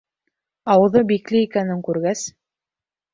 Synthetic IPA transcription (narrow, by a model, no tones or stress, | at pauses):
ɑwɤ̆ðɤbiklɘikænɘŋkʉɾɡæs